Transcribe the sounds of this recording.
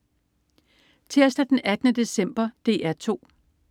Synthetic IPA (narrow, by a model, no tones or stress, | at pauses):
t͡sʰe̝ɐ̰sd̥æd̥enæd̥ənəd̥e̝sem̰b̥ɐd̥e̝̰ːæɐt͡sʰo̝̰ː